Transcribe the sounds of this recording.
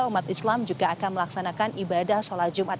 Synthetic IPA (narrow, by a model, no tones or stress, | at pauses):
umat̪islamd͡ʒuɡaːkanməlaksanakanibadahsolahd͡ʒumat̪̚